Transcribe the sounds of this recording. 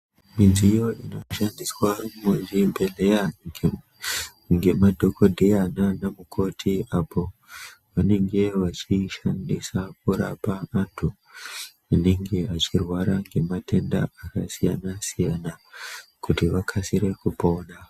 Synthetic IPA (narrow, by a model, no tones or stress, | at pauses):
mid͡zijo̞ino̞ʃandiswarumod͡ʒimbe̞leja | ŋɡe̞madʱo̞kʰo̞dʱeananamukʰo̞tʰiapʰo̞ʋane̞ŋɡe̞ʋat͡ʃiʃandisakuɾa̰paːntʰu | ane̞ŋɡe̞at͡ʃirwaɾaŋɡe̞mate̞nda̰akasijanasijanakutiʋakʰasiɾe̞kupo̞na